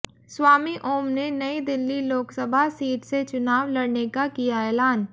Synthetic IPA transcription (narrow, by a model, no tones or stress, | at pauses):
swaːmiʔoːmnenɐid̪ɪlːiloːksəbʱasiːʈset͡ʃʊnaːʋlɐɽnekakijaɛːlaːn